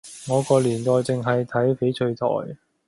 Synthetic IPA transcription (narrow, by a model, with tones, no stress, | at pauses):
ŋɔː˨˧kɔː˧liː˨˩nt̪ɔː˨jt͡sɪ˨ŋɦɐ˨jt̪ʰɐ˨˥jfe˨˥jt͡ʃʰɵ˧ɥt̪ʰɔ̰ː˨˩j